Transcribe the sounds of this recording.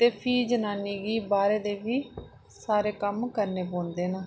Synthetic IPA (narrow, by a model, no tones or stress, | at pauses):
t̪eːpʰiːd͡ʒənaːniːɡiːbaːɾeːd̪eːʋiː | saːɾeːkəmkəɾneːpõːnd̪eːnəː